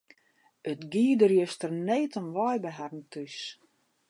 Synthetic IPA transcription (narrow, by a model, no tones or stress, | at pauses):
ətɡiːədərjəstərneːtənʋɔjbəɦɛrn̩tʰys